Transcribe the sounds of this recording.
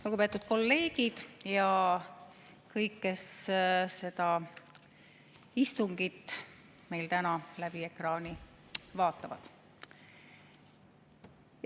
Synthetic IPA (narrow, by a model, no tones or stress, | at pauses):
luɡupe̞t̪ːud̪̥̚ko̞lːe̞ːɡ̥id̪̥jɑ | kɤjkːe̞sse̞d̪ɑ | ist̪uŋɡit̪ | me̞jlt̪ænɑlæb̥ie̞krɑːni | vɑːt̪ːˑɑvɑ̰d̪̥